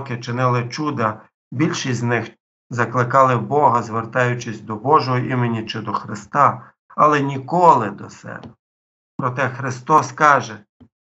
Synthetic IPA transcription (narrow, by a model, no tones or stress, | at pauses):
kɪt͡ʃɪnɪlˠɪt͡ʃud̪ɐ | bʲilʲʃisʲznɪx | zɐklˠɪkɑlˠɪbɔɦɐzʋert̪ɑjʊt͡ʃɪsʲd̪ɔbɔʒɔɦɔʔimenʲːit͡ʃɪd̪ɔxɾɪst̪ɑ | ɐlˠɛnʲikɔlˠɪd̪ɔsɛ̰bɛ | pɾɔt̪ɛxɾɪst̪ɔskɑʒɛ